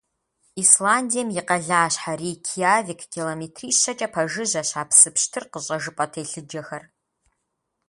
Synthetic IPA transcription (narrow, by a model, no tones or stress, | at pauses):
islaːndijɛmjɪqɐɮaːɕħariːkʰijaːvɪkʰkʲiloːmeːtʰriːɕɐt͡ʃʼɐpʰɐʒɨʑɐɕaːpʰsɨpʰʃtʰɨrqəɕʼɐʒɨpʼɐtʰeːɬɨd͡ʒɐxɐr